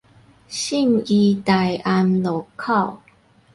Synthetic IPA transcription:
ɕi˥˧˨mi˧t̪a˨˩ja˧mlo˨˩kʰa˥˨w

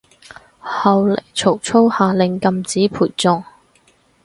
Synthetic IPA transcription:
hɐ˨˧wle˨˩jt͡sʰo˨˩wt͡sʰo˥whaː˨˧lɪ˨˧ŋkɐ˧mt͡siː˨˥pʰuː˨˩jt͡sʊ˨˧ŋ

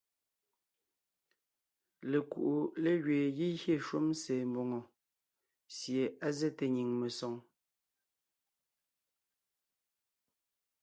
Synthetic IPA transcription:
le˨kṵ˨ʔu˨le˦˨ɣɥeː˨ɣi˦ɣje˦˨ʃwo˦mseː˨mbo˨ŋo˨ | sje˨a˦zɛ˦te˨ɲi˨ŋme˨sɔ˨ŋ

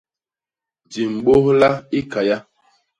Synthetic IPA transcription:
di˨m̩˨ɓo˦hla˦i˦ka˨ja˦

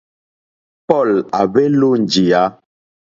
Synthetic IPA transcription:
pɔ˦˨la˨be˦lo˦n˨d͡ʒi˨a˨˦

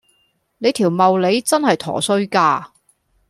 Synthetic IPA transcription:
ne˨˧jt̪ʰiː˨˩wmɐ˨wle˨˧jt͡sɐ˥nhɐ˨jt̪ʰɔ̰ː˨˩sɵ˧˥ɥkaː˧

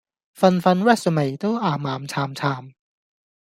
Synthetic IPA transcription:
fa˧nfa˧nwɛ˥˩sə˧˨ma˨˩t̪o˥ʔaː˨˩maː˨˦mt͡ɕʰaː˧mt͡ɕʰaː˧m

